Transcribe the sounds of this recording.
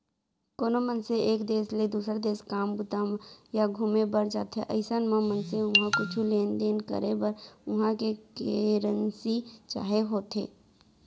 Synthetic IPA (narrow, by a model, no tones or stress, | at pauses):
koːnomənseeːkd̪eːsled̪uːsɾad̪eːskaːmbʊt̪amjaɡʱumebəɾd͡ʒaːt̪ḛʔə̰ɪsanmãmənseʊɦãkʊt͡ʃʰuleːnd̪eːnkə̰ɾebəɾʊɦãkekeɾənsit͡ʃa̰ːɦeɦoːt̪ɦḛː